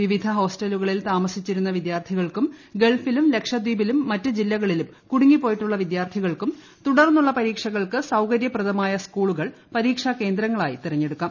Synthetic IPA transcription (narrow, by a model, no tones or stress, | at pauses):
ʋiʋid̪ʱɐɦo̞ːsʈɐluɣɐɭilt̪aːmɐsit͡ɕːiɾunːɐʋid̪jaːrt̪ʰiɣɐɭkumɡe̞ɭfilumle̞kʂɐd̪wiːbilumːɐtːɨd͡ʑilːɐɣɐɭilum | kuɽuŋːipːo̞ːjiʈːuɭːɐʋid̪jaːrt̪ʰiɣɐɭkum | t̪uɽɐrnːuɭːɐpɐɾiːkʂɐɣɐɭkɨsɐwkɐɾjɐprɐðɐmaːjɐskuːɭuɣɐɭ | pɐɾiːkʂɐke̞ːnd̪ɾɐŋːɐɭaːjit̪irɐɲːe̞ɽukːaːm